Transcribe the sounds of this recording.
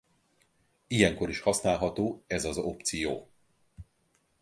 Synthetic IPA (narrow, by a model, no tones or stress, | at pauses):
ijɛŋko̞ɾiʃhɒsnaːlɦɒt̪oːɛzɒzo̞pt̪sijoː